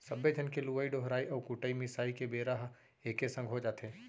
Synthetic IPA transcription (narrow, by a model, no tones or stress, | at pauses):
sɐbed͡ʒʱənkeluʋaiɖoɦɾaːiʔɔːɾkʊʈəimɪsaːikebeːɾaɦ | eːkesə̃ŋɡʱɦod͡ʒaːt̪eː